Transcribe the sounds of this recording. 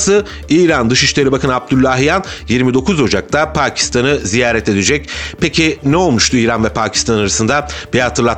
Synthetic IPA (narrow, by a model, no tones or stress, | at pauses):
sɯ | iːɾand̪ɯʃiʃlʲe̞ɾibakʰɯnab̚d̪ylʲːaɦijanjiɾmid̪o̞kʰuzo̞d͡ʒak̚t̪ʰapʰaːcʰi̥st̪ʰanɯzijaːɾɛt̪e̞d̪ed͡ʒɛc̚pecʰinɛo̞lˠmuʃt̪uiːɾanvɛpʰaːcʰi̥st̪anaɾasɯnd̪abihat̪ʰɯɾlˠat̪